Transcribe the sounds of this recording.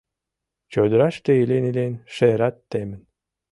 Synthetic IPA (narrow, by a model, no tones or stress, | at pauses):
t͡ɕod̪ɾɑʃt̪eilʲenilʲenʃeɾɑt̪ːemə̆n